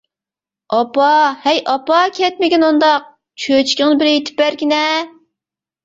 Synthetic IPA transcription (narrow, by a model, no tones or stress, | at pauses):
ɑpɑhɛjʔɑpɑkʲʰɛt̪̚mɪkʲinund̪ɑq̚ | t͡ʃʰøt͡ʃʰi̥kʲɪŋnɨbɪɾjet̪ʰɪ̥pbæɾkʲinɛ